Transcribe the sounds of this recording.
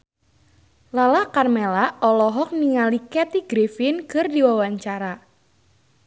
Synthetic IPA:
lalakarmɛlaɔlɔɦɔk̚niŋalikɛt̪iɡ̥ɾefɪnkɨrdiwawaɲt͡ʃaɾa

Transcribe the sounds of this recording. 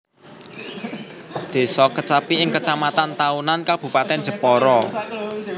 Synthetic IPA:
d̪̥e̤sɔkət͡ʃapiɪŋkət͡ʃamat̪ant̪aunankab̥ṳpat̪ɛn̥d͡ʒ̥ə̤pɔɾɔ

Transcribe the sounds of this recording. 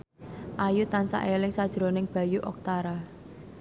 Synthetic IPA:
ʔajut̪ansa̰ʔelɪŋsad̥ʒ̥ɾonɪŋb̥a̤juʔɔk̚t̪aɾa

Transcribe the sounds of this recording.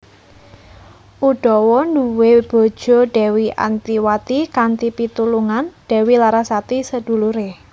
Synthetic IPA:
ʔuɖ̥ɔ̤wɔnduweb̥ɔ̤̥ʒ̥ɔ̤ɖ̥ɛ̤wiʔa̰nt̪iwat̪ikant̪ipit̪uluŋanɖ̥ɛ̤wilaɾasat̪isəd̥ṳluɾe

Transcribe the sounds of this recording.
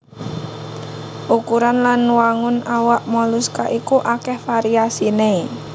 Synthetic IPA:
ʔukuɾanlanwaŋʊnawaʔmɔluskaʔikuʔakɛhfaɾiasine

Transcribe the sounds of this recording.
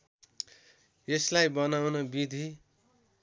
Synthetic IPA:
eslajbʌnawnʌbid̪ʱi

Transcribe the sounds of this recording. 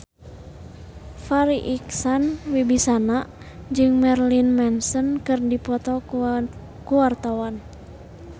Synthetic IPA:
faɾiʔiksanwibisana | d͡ʒɨŋmɛrlinmɛnsənkɨrdipɔt̪ɔ | kuwart̪awan

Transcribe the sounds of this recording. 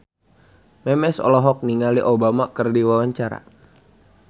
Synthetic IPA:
mɛmɛsɔ̰lɔɦɔk̚niŋaliʔobamakərdiwawaɲt͡ʃaɾa̰

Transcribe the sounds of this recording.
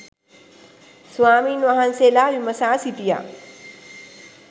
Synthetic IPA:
swaːmiːnʋaɦanseːlaːʋimɐsaːsit̪ija̰ː

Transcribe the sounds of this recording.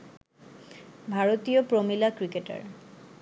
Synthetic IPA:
bʱaɾot̪iopɾomilakɾikeʈa̰ɾ

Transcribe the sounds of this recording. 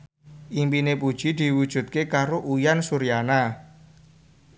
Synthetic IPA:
ʔimpinepud̥ʒ̥i̤d̪̥i̤wud̥ʒ̥ṳt̪̚kekaɾoʔujansuɾijana

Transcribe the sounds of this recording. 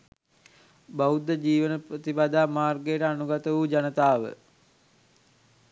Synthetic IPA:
baud̪əd͡ʒiːʋənəprət̪ibad̪aːmaːrɡəjəʈəanuɡat̪əʋud͡ʒanət̪aːʋə̰

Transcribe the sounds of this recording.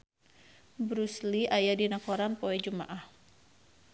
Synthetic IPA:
bɾusliʔajadinakoɾanpoɛd͡ʒuma̰ʔah

